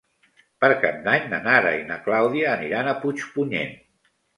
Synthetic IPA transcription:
pəɾkab̚d̪aɲnanaɾa̰inəklawðiəːniɾanəput͡ʃpuɲḛn

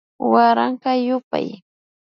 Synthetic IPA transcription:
waɾaɴɢɑjʊpa̰j

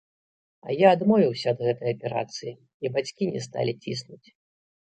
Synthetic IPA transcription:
ɐ̰jaːd̪mɔvʲiwsʲɐːd̪ɣɛt̪ɐjɐpʲɛɾa̰t̪sɨji | ibat͡sʲkʲinʲɛ̰st̪a̰lʲit͡sʲisnut͡sʲ

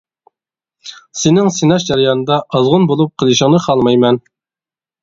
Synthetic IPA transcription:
sɪnɪŋsinɑʃd͡ʒɑɾjɑnɨd̪ɑʔɑzʁʊnbolˠup̚qʰəlˠɨʃɪŋnɨqʰɑlˠmɑjmɛn

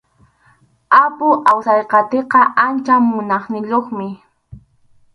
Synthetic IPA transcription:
apʊʔawsɑjqɑt̪eqɑʔant͡ʃamʊnɑχnɪʎoχmɪ

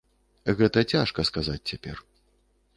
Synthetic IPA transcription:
ɣɛt̪ɐt͡sʲaʂkɐskazat͡sʲt͡sʲapʲɛr

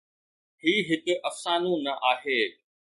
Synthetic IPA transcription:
ɦiːɦɪkɪ̆ʔɐfsaːnõnɐʔaːɦeː

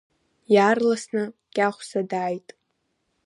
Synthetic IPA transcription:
jaːrlasnɨkʲʼaχʷsadaːjtʼ

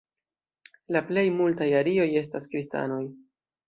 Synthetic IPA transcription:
laple̞jmultajaɾio̞je̞s̬taskɾista̰no̞j

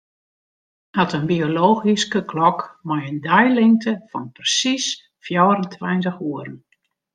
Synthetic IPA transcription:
atənbioloːɣiskəkʰlɔkmɔjəndɛjlɪŋtʰəfɔnprəsis | fjɔwɾəntʰʋɛjntəxuəɾən

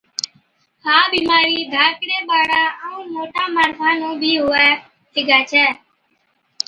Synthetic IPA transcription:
haːbiːmaːɾiːd̪ʱaːkɽeːɓaːɽaːəũːmoːʈaːmaːɾpʰaːnũːbʱiːɦʊːɛː | t̪ɪɡaːt͡ʃʰɛː

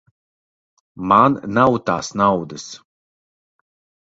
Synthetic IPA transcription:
mannawt̪aːsnawd̪ɨs

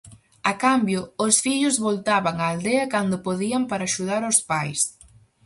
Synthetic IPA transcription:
ɐkambjʊʊsfiʎʊzβolt̪aβaŋaːld̪eɐkand̪ʊpoðiɐmpaɾaːʃuðaɾospajs

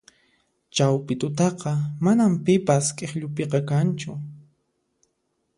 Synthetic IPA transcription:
t͡ʃawpɪt̪ʊt̪ɑqɑmanampɪpaskʼeχʎʊpeqɑkant͡ʃʊ

